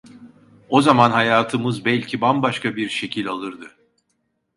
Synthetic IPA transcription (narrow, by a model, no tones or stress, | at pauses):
o̞zamanɦajaːt̪ʰɯmɯzbɛlʲcʰibambaʃkʰabiɾʃe̞cʰilʲalˠɯɾd̪ɯ